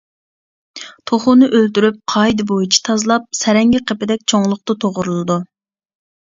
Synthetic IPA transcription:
t̪ʰoχʊnɨʔølt̪yɾyp̚qʰɑjd̪ɨbojit͡ʃʰi̥t̪ʰɑzlˠɑp̚sɛɾɛŋɡʲɪqʰəpɪd̪ɛk̚ʲt͡ʃʰoŋlˠʊq̚t̪ɑt̪ʰoʁʊɾulˠɨd̪u

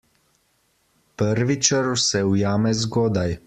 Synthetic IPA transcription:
pəɾʋit͡ʃəɾusɛujaːmɛzɡoːd̪aj

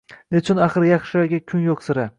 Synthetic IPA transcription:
net͡ʃʰʊnaχɨɾjɑχʃɪaɡʲakʲʰʊnjoqsɪɾa

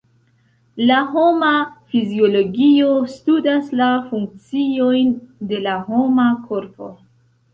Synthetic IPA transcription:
laɦo̞mafizio̞lo̞ɡio̞studaslafuŋk̚t͡sio̞jnde̞laɦo̞makʰo̞ɾpo̞̰

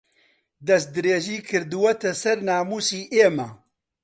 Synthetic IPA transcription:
d̪ɐs̚d̪ɨɾeːʒiːkʰɨɾd̪uwɐt̪ɐsɐɾnaːmuːsiːʔeːmɐ

